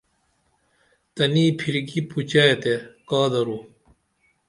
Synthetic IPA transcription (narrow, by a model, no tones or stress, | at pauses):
t̪ɐniːpʰiɾɡiput͡ɕajet̪ekaːd̪ɐɾu